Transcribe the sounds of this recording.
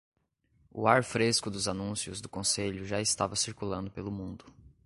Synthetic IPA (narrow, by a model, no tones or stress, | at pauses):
ʊ̰aɾfɾeskʊd̪ʊzanũsiʊzd̪ʊkõseʎʊʒaɪst̪avɐsiɾkulɐ̃nd̪ʊpelʊmũnd̪ʊ